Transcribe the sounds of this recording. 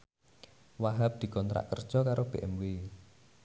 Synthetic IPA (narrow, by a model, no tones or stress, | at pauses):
waɦap̚d̪̥i̤kɔnt̪ɾa̰ʔkərd̥ʒ̥ɔkaɾob̥e̤ʔɛme